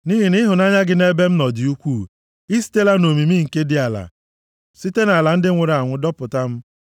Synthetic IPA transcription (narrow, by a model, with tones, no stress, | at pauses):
ni˦ɦi˨nɪ˦ɦʊ˨na˦ɲa˦ɡɪ˦ne˦be˦m̩˦nɔ˨dɪ˨u˦kʷuː˦˨ | i˦si̥˦te˦la˦no˨mi˨mi˦ŋ̩˨ke˦dɪ˦a˨la̰˨ | si˦te˦na˨la˨n̩˦dɪ˦ŋʷʊ˨ɾa˨ŋʷʊ˦dɔ˦pʊ˨ta˦m̩˦